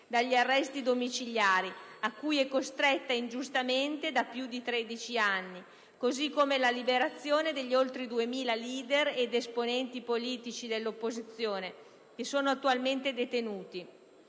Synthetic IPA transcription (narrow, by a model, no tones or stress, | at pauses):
d̪aʎːiarːɛst̪id̪omit͡ʃiʎjaːɾiakːujɛkːost̪ɾɛt̪ːaind͡ʒust̪ament̪ed̪apjud̪it̪ɾɛd̪it͡ʃianːi | kozikːomelalibeɾat̪sːjoːned̪eʎːolt̪ɾid̪uemiːlaliːd̪ered̪esponɛnt̪ipoliːt̪it͡ʃid̪elːopːozit̪sːjoːne | k̟esoːnoat̪ːualment̪ed̪et̪enuːt̪i